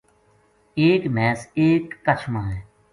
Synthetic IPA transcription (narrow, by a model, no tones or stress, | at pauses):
eːkmɛːseːkːət͡ʃʰmãːɦɛː